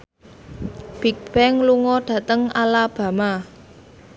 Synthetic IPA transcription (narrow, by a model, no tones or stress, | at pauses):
b̥ik̚b̥ɛŋluŋɔɖ̥ä̤t̪əŋalab̥ä̤ma